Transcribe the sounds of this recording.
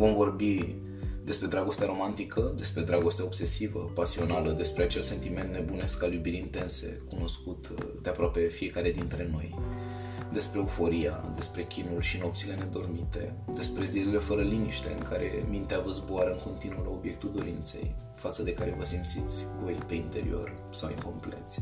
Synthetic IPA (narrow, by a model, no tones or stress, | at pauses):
vo̞mvo̞rbi | d̪e̞spɾe̞d̪ɾaɡo̞st̪eaɾo̞mant̪ikʰəd̪e̞spɾe̞d̪ɾaɡo̞st̪eao̞bse̞sivəpasio̞naləd̪e̞spɾeat͡ʃe̞lse̞nt̪ime̞nt̪ne̞bune̞skaljubiɾiint̪e̞nse̞̰kuno̞skut̪d̪eapɾoape̞fije̞kaɾe̞d̪int̪ɾe̞no̞j | d̪e̞spɾe̞ufo̞ɾija̰d̪espɾe̞kʲinulʃino̞p̚t̪sile̞ne̞d̪o̞rmit̪e̞̰ | d̪e̞spɾe̞zilile̞fəɾəliniʃt̪e̞̰ɨŋkaɾe̞̰mint̪eavəzboaɾəɨŋko̞nt̪inuəla̰o̞bjek̚t̪uld̪o̞ɾint̪se̞̰j | fat̪səd̪e̞kaɾe̞vəsimpt̪sit̪sʲɡojpe̞int̪e̞ɾḭo̞̰r | sawḭŋko̞mple̞t̪sʲ